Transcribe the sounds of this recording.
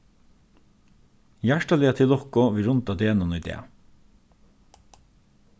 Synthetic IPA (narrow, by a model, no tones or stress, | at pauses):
jæʂʈalɪːat̪ʰɪlɔhkɔʋiːɾʊnt̪ad̪eːnʊnʏd̪ɛ̰ː